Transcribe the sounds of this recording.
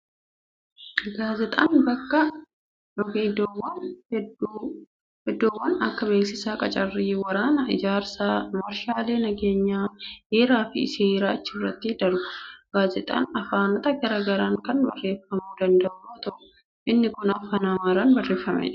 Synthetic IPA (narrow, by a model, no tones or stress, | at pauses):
ɡaːzɛt̪ʼaːnbɐkːɐ | ɔɡid̪wɐnd | hɛd̪ːoːwːɐnɐkːɐbe̞ːksɪsaːkʼɐt͡ʃʼɐrːiːwɐɾaːnɐɪ̰d͡ʒaːɾsaːmɐɾʃaːle̞ːnɐɡe̞ːɲːaːheːɾaːfɪ̰ɪ̰seːɾaːɐt͡ʃːɪrːɐt̪ːɪd̪ɐɾɡʊɡ̥aːzɛt̪ʼa̰ːnɐfaːnɔt̪ɐɡɐɾaːɡɐɾaːŋkɐnbɐ̰rːe̞ːfɐmuːd̪ɐnd̪ɐʔʊt̪ɐʔʊ̥ | ʔɪnːɪkʊnɐfaːnaːmaːɾaːnbɐrːe̞ːfːɐmɛ̰ᶑɐ̥